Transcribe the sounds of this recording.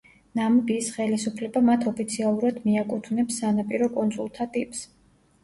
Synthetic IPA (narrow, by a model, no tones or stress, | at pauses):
nambisχɛlisupʰlɛbamat̪ʰɔpʰit̪sʰialˠuɾad̪miakʼut̪ʰvnɛpsːanapʼiɾɔkʼɔnt̪sʼulˠt̪ʰat̪ʼipʼs